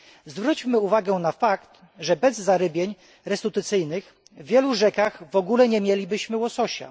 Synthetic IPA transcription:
zvɾut͡ɕmɘuvaɡɛnafakt̪ | ʐɛbɛzːaɾɘbʲjeɲ | ɾɛst̪ut̪ɘt̪sɘjnɘx | vːʲjɛluʐɛkaɣvɔɡulɛɲɛmʲjelʲibɘɕmɘwɔsɔɕa̰

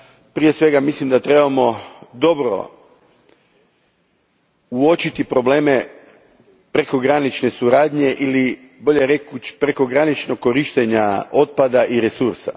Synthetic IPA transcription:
pɾije̞sʋe̞ɡamislimd̪at̪ɾe̞bamo̞d̪o̞bɾo̞̰ | uo̞t͡ʃit̪ipɾo̞ble̞ːme̞ | pɾe̞ko̞ɡɾanit͡ʃne̞suɾaːd̪ɲe̞ʔili | bo̞ʎeɾeku̥pɾe̞ko̞ɡɾanit͡ʃnok̚kːo̞ɾiʃt̪eɲao̞t̪̚pad̪aʔiɾe̞suɾsa̰

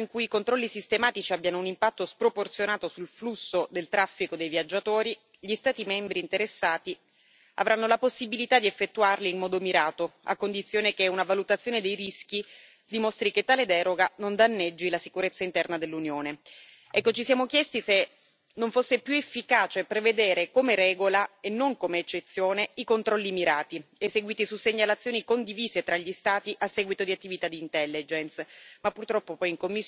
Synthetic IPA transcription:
iŋkujikont̪ɾɔlːisist̪emaːt̪it͡ʃiabjanounimpat̪ːospɾoport̪sjonaːt̪osulflusːod̪elt̪ɾafːikod̪ejvijad͡ʒːat̪oːɾi | ʎist̪aːt̪imɛmbɾiːnt̪eɾesːaːt̪i | a̰vɾʔanːolaposːibilit̪ad̪iefːet̪ːuarliːmmɔːd̪omiɾaːt̪oa̰kːond̪it̪sːjoːnekeunavalut̪at̪sːjoːned̪ejɾisk̟i | d̪imost̪ɾiket̪ːaːled̪ɛːɾoɡanond̪anːɛd͡ʒːilasikuɾet̪sːaint̪ɛrnad̪elːunjoːne | ɛkːot͡ʃisijaːmokjɛst̪ise | noɱfosːepːjuefːikaːt͡ʃepɾeved̪eːɾekomeɾɛːɡolaenːoŋkomeːt͡ʃːet̪sːjoːneikont̪ɾɔlːimiɾaːt̪ieseɡwiːt̪isuseɲːalat̪sːjoːnikond̪iviːzet̪ɾaʎːist̪aːt̪iʔasːɛːɡwit̪od̪iat̪ːivit̪ad̪iːnt̪ɛlːid͡ʒensmapːurt̪ɾɔpːopɔjiŋkomːis

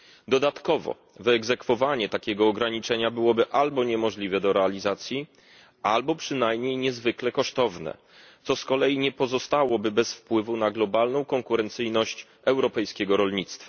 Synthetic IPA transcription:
d̪ɔd̪at̪kɔvɔ̰ | vɛɡzɛkfɔvaɲɛt̪akʲɛɡɔːɡɾaɲit͡ʂɛɲabɘwɔbɘʔalbɔɲɛmɔʐlʲivɛd̪ɔɾɛalʲizat̪sʲji | albɔpʂɘnajmɲejɲɛzvɘklɛkɔʂt̪ɔvnɛ̰ | t̪sɔskɔlɛjiɲɛpɔzɔst̪awɔbɘbɛsfpwɘvunaɡlɔbalnɔ̃w̃kɔŋkuɾɛnt̪sɘjnɔɕt͡ɕ | ɛwɾɔpɛjskʲɛɡɔɾɔlɲit̪st̪fḁ

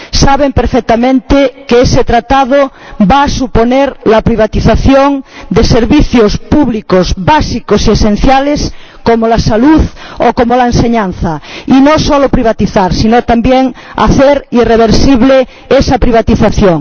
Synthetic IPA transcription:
saβempeɾfek̚t̪amẽnt̪ekeeset̪ɾat̪aðobaːsuponeɾlapɾiβat̪iθaθjoŋd̪eseɾβiθjospuβlikozβasikosiesẽn̟θjales | komolasaluðokomolaenseɲãn̟θainosolopɾiβ̞at̪iθaɾsinot̪ambjeŋa̰θeɾireβ̞eɾsiβ̞le | esapɾiβ̞at̪iθaθjoŋ

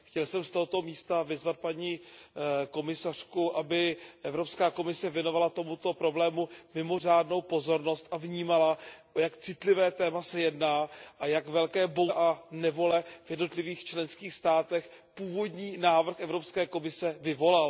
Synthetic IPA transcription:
xcɛlsɛmst̪o̞ɦot̪o̞miːst̪avɪzvat̪̚paɲi | ko̞mɪsar̝̥kuʔabɪʔɛvɾo̞pskaːko̞mɪsɛvjɛno̞valat̪o̞mut̪o̞pɾo̞blɛːmumɪmo̞r̝aːdno̞wpo̞zo̞ɾno̞st̪ʔavɲiːmalaojakt͡sɪt̪lɪvɛːt̪ɛːmasɛjɛdnaːʔajakvɛlkɛːbo̞ʔanɛvo̞lɛvjɛdno̞t̪lɪviːxt͡ʃlɛnskiːxst̪aːt̪ɛx | puːvo̞dɲiːnaːvr̩xɛvɾo̞pskɛːko̞mɪsɛvɪvo̞lal

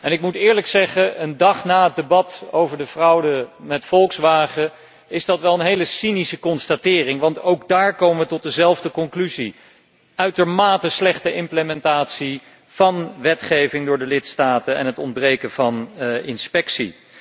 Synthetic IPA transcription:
ɛnɪkmutɪːɹləksɛχəʔəndɑχnaːɦət̚debɑtowvəɹdəv̥rʌwdəmɛtfɔlˠksʋaːχə | ɪzdɑtʋɛlˠənɦejləsinisəkɔnstatɪːrɪŋʋɑntowɡ̚daːɹkowməʋətɔt̚dəzɛlˠvdəkɔŋklyzi | œɥtəɹmaːtəslɛχtəʔɪmpləmɛntaːtsi | v̥ɑnʋɛtχejvɪŋdʊːɹdəlɪtstaːtənɛ̰nɦətɔndbrejkənv̥ɑnɪnspɛksḭ

